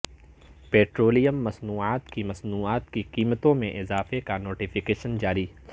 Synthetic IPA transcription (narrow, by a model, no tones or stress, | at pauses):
peːʈɾoːlijəmːɐsnuːaːt̪kimɐsnuːaːt̪kiqiːmət̪õmẽʔɪzaːfekanoːʈifɪkeːʃənd͡ʒaːɾiː